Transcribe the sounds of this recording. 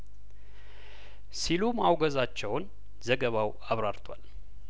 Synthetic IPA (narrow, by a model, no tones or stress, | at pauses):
silumawɡəzat͡ʃːɛwn | zəɡəβaw | aβɾaɾt̪ʼʰwa̰l